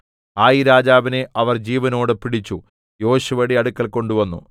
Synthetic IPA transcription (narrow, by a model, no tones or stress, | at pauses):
aːjiɾaːd͡ʑaːbineʔɐʋɐrd͡ʑiːʋɐno̞ːɽɨpiɽit͡ɕːu | jo̞ːɕuʋɐɽiɐɽukːɐlko̞ɳɖuʋɐnːṵ